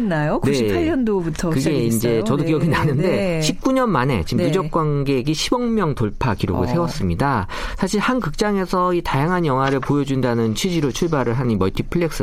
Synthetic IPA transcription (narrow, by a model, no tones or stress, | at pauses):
nːajokneaʌndobutʰkɯɡe̞iind͡ʑe̞t͡ɕʌdokijʌɡinanɯnde̞ɕʰip̚k͈uɲʌnmane̞̰t͡ɕimpud͡ʑʌk̚k͈wanɡe̞ɡiɕʰibʌŋmjʌŋtoɭpʰakiɾo̰ɡɯɭsʰe̞wʌs͈ɯmɲida | sʰaɕʰiɭhankɯk̚t͡ɕ͈aŋe̞sʰʌitajaŋɦanjʌŋɦwaɾɯɭpojʌd͡ʑundanɯnt͡ɕʰɥid͡ʑiɾot͡ɕʰuɭbaɾɯɭɦanimʌɭtʰipʰɯɭːeks͈ɯ